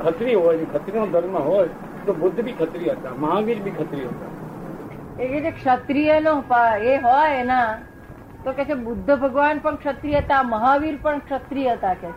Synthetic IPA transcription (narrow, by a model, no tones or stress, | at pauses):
kʰət̪ɾiɦojd͡ʒkʰət̪ɾinod̪ʱəɾmãɦoj | t̪obʊd̪ʱːbʱikʰət̪ɾijəɦət̪aməɦaʋiɾbʱikʰət̪ɾiɦət̪a̰ | ekɛt͡ʃʰekʂət̪ɾijənoɦpaeɦojna | t̪okɛt͡ʃʰebʊd̪ʱːəbʱəɡʋanpəɳkʂət̪ɾijət̪aməɦaʋiɾpəɳkʂət̪ɾijəɦt̪akɛ